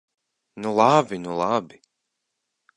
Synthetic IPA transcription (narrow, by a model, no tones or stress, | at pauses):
nulˠabinulˠabi